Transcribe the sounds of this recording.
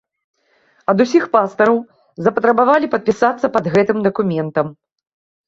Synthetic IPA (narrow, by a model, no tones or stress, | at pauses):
ɐd̪usʲixpast̪ɐɾɐw | zɐpɐt̪ɾɐbavalʲipɐt̪̚pʲisat̪sːɐpɐd̪ɣɛt̪ɨmd̪ɐkumʲɛnt̪ɐm